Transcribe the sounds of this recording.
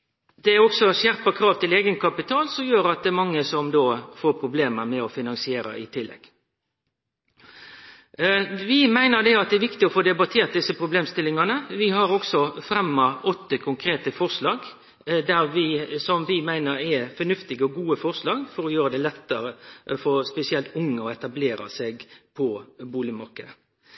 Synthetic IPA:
d̪̥ɛæɔksɔɕjæɾpəkʰɾɑːʋt̪ɪleːɡənkʰɑpɪt̪ʰɑːlsɔmjøːɾɑt̪̚d̪ɛːmɑŋːəsɔmd̪oːfoːpʰɾʊbleːməɾmɛɔfɪnɑŋsɪeːɾə̰ɪ̰t̪ʰɪlːɛ̰ɡ̥ | ʋɪmæɪnəɾd̪ɛɑt̪̚d̪ɛæɾʋɪkt̪ɪɔfoːd̪ɛbɑt̪ʰeːɾt̪̚d̪ɪsəpʰɾʊbleːmst̪ɪlːɪŋɑnəʋɪɦɑɾɔksɔfɾɛmːɑɔt̪ːəkʰʊŋkʰɾeːt̪əfɔʁʂlɑːɡ | d̪æɾʋɪsɔmʋɪmæɪnəɾɛfɔnʉft̪ɪɡəɔɡuːəfɔʁʂlɑːɡfɔɾɔjøːɾəd̪ɛlɛt̪ːəɾəfɔspɛsɪɛlt̪ʊŋːəɔɛt̪ɑbleːɾɑ̰seɡpʰɔbuːlɪmɑkə

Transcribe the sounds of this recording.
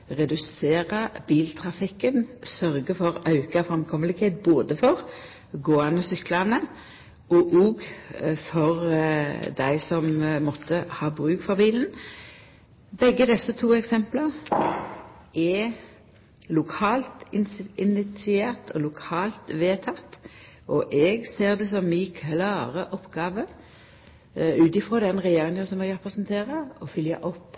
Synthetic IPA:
ʁɛd̪ʉseːʁəb̥iːlt̪ʰʁɑfɪkːənsœʁɡəfɔʁɑʉkɑfʁɛmkʰɔməlɪkheːt̪̚boːd̪əfɔʁ | ɡoːanəsʏklɑnə | ʔɔʔoːɡfɔʁ | d̪æɪsɔmmɔt̪ʰːəhɑːbʁʉːkfɔʁbiːln̩ | bɛɡːəd̪ɛsːət̪ʰuːɛksɛmpləʁ | ʔɛ | lʊkʰɑːlt̪ɪnɪnɪt̪sɪeːʁt̪ʰɔlʊkʰɑːlt̪ʋeːt̪ʰɑt̪ːʔɔʔɛɡseːʁd̪ɛsɔmɪkʰlɑːʁəʔɔpːɡɑːʋə | ʉːt̪ɪfʁoːd̪ɛnʁɛjeːʁɪŋənsɔmɛɡʁɛpʁəsnt̪ʰeːʁəɔfʏljə̰ʔɔpː

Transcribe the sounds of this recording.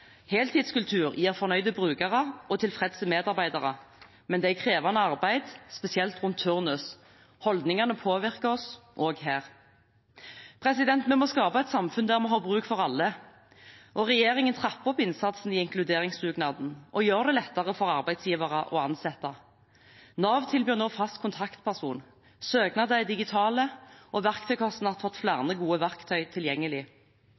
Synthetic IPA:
hɛːlt̪ʰiːd̪skʉlt̪ʰʉːʁjiːʁfɔʁnœʏd̪əbʁʉːɡɑʁəʔɔt̪ʰɪlfʁɛd̪səmeːd̪ɑʁbæɪd̪ɑʁə | mɛnd̪æɪkʰʁeːʋɑnəɑʁbæɪd̪spɛsɪɛlt̪ʁʉnt̪ʰːʉʁnʉs | hɔld̪nɪŋɑʁnəpʰoːʋɪʁkəɔsʔoːɡheːʁ | pʰʁɛsɪd̪ɛnt̪mɛmoːskɑːpɑɛt̪sɑmfʉnd̪æʁmɛɦɑːbʁʉːkfɔʁɑlːə | ʔɔʁɛjeːʁɪŋənt̪ʰʁɑpːɔpɪnsɑt̪sn̩ɪɪŋklʉd̪eːʁɪŋsʁʉːɡnɑːd̪n̩ʔɔjøːʁd̪ɛlɛt̪ːɑʁəfɔʁɑʁbæɪ̥sjiːʋɑʁəʔɔɑnsɛt̪ːɑ | nɑːʋt̪ʰɪlbyːʁnoːfɑst̪̚kʰʊnt̪ʰɑkt̪pʰæʁsuːn | søːɡnɑd̪æɪd̪ɪɡɪt̪ʰɑːləʔɔʋæʁkt̪ʰœʏkʰɔst̪n̩ɑt̪fɔt̪ːflæːʁnəɡuːəʋæʁkt̪ʰœʏt̪ʰɪljɛŋːəlɪ

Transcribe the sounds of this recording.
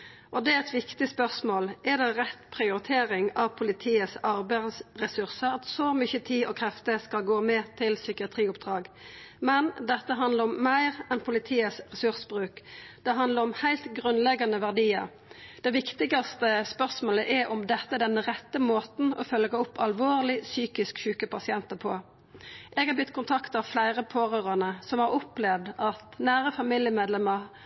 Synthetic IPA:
ʔɔd̪ɛæɛt̪ʋɪkt̪ɪspœʁsmoːlʔɛd̪ɛʁɛt̪pʰʁɪʊɾɪt̪ʰeːɾɪŋɑʋpʰʊlɪt̪ʰiːəsɑʁbæɪdsʁɛsʉʁsəɾɑt̪sɔmʏçət̪ʰiːɔkʰɾɛft̪əskɑlɡoːmɛt̪ʰɪlsʏkɪɑt̪ʰʁiːʊpd̪̥ʁɑːɡmɛnd̪ɛt̪ːəɦɑnd̪ləɾɔmːæɪʁɛnpʰʊlɪt̪ʰiːəsʁɛsʉʁsəbʁʉːkd̪̥ɛɦɑnd̪ləʁɔmhæɪlt̪ɡʁʉnlɛɡɑnəʋæʁd̪iːə̰ʁ | d̪ɛʋɪkt̪ɪɡɑst̪əspœʁsmoːləʔɛʔɔmd̪ɛt̪ːəd̪ɛnːəʁɛt̪ːəmoːt̪n̩ɔ̰fœlɡəʊpːɑlʋoːʁlɪsyːkɪskçʉːkəpʰɑsɪɛnt̪əpʰoː | ʔɛːɡɑbjʏt̪ːkʊnt̪ʰɑkt̪ɑʋflæɪʁəpʰoːʁøʁɑnəsɔmhɑʁʊplɛʋd̪ɑt̪næːʁəfɑmiljəmeːd̪lɛmə

